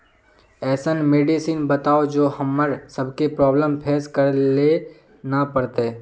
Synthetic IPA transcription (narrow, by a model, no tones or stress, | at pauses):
ɛːsənmeːɖisiːnbɐt̪aːod͡ʒoːhɐmːəɾsɐbkepɾɔːbləmpʰeːskəɾle | napɐɾt̪e